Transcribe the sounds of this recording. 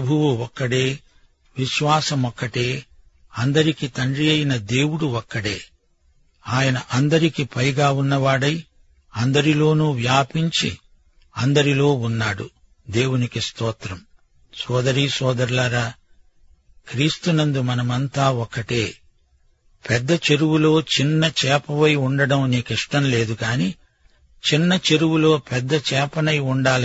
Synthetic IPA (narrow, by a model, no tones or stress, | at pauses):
pɐbʱuwuɔkːɐɽeː | ʋiʃʋaːsɐmɔkːɐʈe̞ː | ɐnd̪ɐɾikit̪ɐɳɖɾijɐjinɐd̪e̞ːwuɽuɔkːɐɽe̞ː | aːjɐnɐʔɐnd̪ɐɾikipɐjɡaːunːɐʋaːɽɐj | ɐnd̪ɐɾilo̞ːnuːʋjaːpiɲt͡ʃḭ | ɐnd̪ɐɾilo̞ːunːaːɽu | d̪e̞ːwunikist̪ɔːt̪ɾɐm | sɔːd̪ɐɾiːsɔːd̪ɐɾlaːɾaː | kɾiːst̪unɐnd̪umɐnɐmɐnt̪aːɔkːɐʈeː | pɛd̪ːɐt͡ʃe̞ɾuwulo̞ːt͡ʃinːɐt͡ʃɛːpɐʋɐjuɳɖɐɽɐmniːkiʂʈɐmle̞ːd̪ukaːniː | t͡ʃinːɐt͡ʃe̞ɾuwulo̞ːpɛd̪ːɐt͡ʃɛːpɐnɐjuɳɖaːl